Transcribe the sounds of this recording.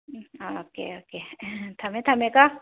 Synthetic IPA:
ooːkḛoːket̪ʰɐmẽt̪ʰɐmeka

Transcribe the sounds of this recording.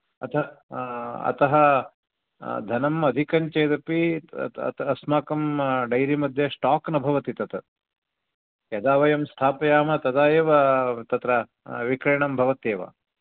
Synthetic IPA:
ɐt̪ɐ | ɐ̰t̪ɐɦɐ | d̪ʱɐnɐmɐd̪ʱikɐɲt͡ʃeːd̪ɐpitt̪ɐsmaːkɐmɖɐjɾimɐd̪ʱjɐʂʈaːknɐbʱɐʋɐt̪it̪ɐt̪ɐ | jɐd̪aːʋɐjɐmst̪ʰaːpɐjaːmɐt̪ɐd̪aːjeːʋɐt̪ɐt̪ɾɐ | ʋikɾɐɳɐmbʱɐʋɐt̪eːʋɐ̰

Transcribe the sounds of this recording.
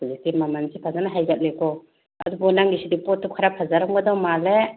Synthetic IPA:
zitimamansʰipʰazanaɦajɡap̚lekʰɔ | a̰d̪ubɔnaŋɡisidipɔt̚ʰːɔkʰaɾapʰazaɾɔŋɡɔd̪awmale

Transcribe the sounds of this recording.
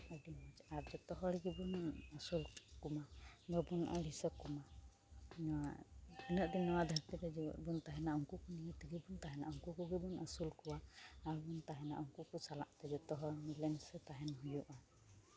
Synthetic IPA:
ɔdimad͡ʒaɾd͡ʒɔt̪ɔɦɔɽiɡibunasulkumadɔbunʔa̰lisɔkuma | nɔwainəʔd̪inːɔwad̪ʱaɾt̪idɛd͡ʒibɔ̰ɾbunt̪aɦɛnaɔŋkukuniat̪iɡibunt̪aɦɛna̰ʔɔŋkukuɡibunasulkuwaaɾbunt̪aɦɛna̰ʔɔŋkukusala̰ʔt̪ɛd͡ʒɔt̪ɔɦɔmilɛnsɛt̪aɦɛnɦujuʔa

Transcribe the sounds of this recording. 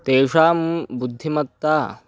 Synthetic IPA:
t̪eːʂaːmbud̪ʱːimɐt̪ːaː

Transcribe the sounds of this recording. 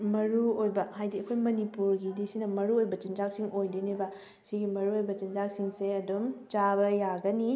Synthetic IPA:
mɐɾuojbɐhajdiɐkʰojmɐnipuɾɡidisinɐmɐɾuojbɐt͡ʃind͡ʒak̚siŋojdunibɐ | siɡimɐɾuojbɐt͡ʃind͡ʒak̚siŋseɐdomt͡ʃabɐjaɡɐni

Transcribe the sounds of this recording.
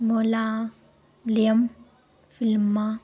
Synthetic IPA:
mola | lim | filma

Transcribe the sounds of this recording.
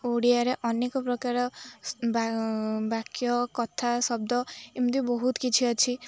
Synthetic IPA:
oɽiaɾeʔɔnekɔpɾɔkaɾɔbabakjɔkɔt̪ʰasɔb̚d̪ɔimd̪ibɔɦut̪kit͡ʃʰiɔt͡ʃʰi

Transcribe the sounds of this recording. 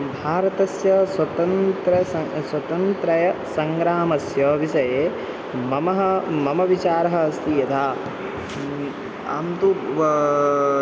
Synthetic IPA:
bʱaːɾɐt̪ɐsjɐswɐt̪ɐnt̪ɾɐsɐswɐt̪ɐnt̪ɾɐjɐsɐŋɡɾaːmɐsjɐʋiʃɐjeː | mɐmɐɦɐmɐmɐʋit͡ʃaːɾɐɦɐɐst̪ʰijɐt̪ʰaː | a̰ːmt̪u

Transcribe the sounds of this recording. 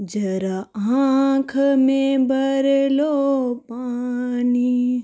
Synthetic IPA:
d͡ʒɐɾaakʰmẽbʱɐɾelopaːni

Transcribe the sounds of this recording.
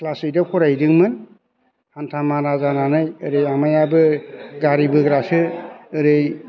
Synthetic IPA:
klasɯjdɯkʰɔɾajdɯŋmɯn | hantʰamanazananɯjɯɾɯjamajabɯɡaɾibɯɡɾasɯɯɾɯj

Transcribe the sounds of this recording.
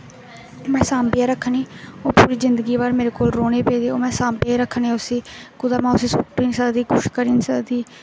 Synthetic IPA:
mɛ̃ːsãːmbɪjãːɾəkʰəniːoːpuːɾiːzɪnd̪əɡiːβaːɾmeːɾeːkoːlɾoːneːpeːd̪eːoːmɛ̃ːsãːmbjaːɾəkʰəneːʊsiːkʊd̪aːmãːʊsiːsʊʈːiːnsaːd̪iːɡʊʃkəɾiːnsəd̪iː

